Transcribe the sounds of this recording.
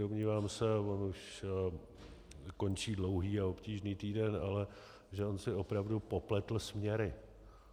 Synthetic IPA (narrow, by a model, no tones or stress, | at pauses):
omɲiːvaːmsɛvo̞nuʃ | ko̞nt͡ʃiːdlo̞wɦiːaopciːʒniːt̪iːdɛnalɛ | ʒɛo̞nsɪo̞pɾavdupo̞plɛt̪l̩smɲɛɾɪ